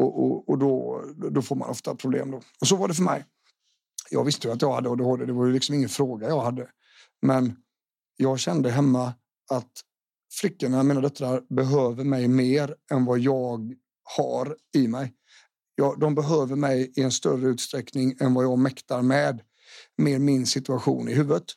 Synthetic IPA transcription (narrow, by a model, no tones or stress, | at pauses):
ɔʔɔ̰ɔd̪ɔd̪ɔfoːɾma̰nɔ̰ft̪apʰɾʊblḛːmd̪ɔɔs̬ɔvaɖɛfœɾmɛ̰j | jɑ̰ːɡvɪst̪əjat̪jɑːɡhad̪ːəɔd̪ɛhod̪əd̪ɛvaɾjɵlɪksɔmɪŋːənfɾoːɡajɑːɡhad̪ːə | mɛn | jɑːɡɕɛnd̪əɦɛmːa | at̪ | flʏkːənamiːnad̪œt̪ɾaɾbɛɦøːvəɾmɛjmeːɾɛnvɑjɑːɡ | ha̰ɾɪmɛj | jɑːd̪ɔmbɛɦøːvəɾmɛjɪɛnst̪œrəʉ̟t̪st̪ɾɛknɪŋɛnvajɑːɡmɛkt̪aɾmɛːd̪ | meːɾmɪnsɪt̪ɵaɧṵːnɪɦʉːvət̪